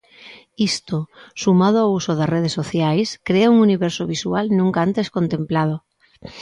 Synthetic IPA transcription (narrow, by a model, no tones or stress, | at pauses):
ist̪osumað̞oawusoðareð̞esːoθjajskɾeauŋuniβeɾsoβ̞iswalnũŋkaant̪eskont̪ẽmplað̞o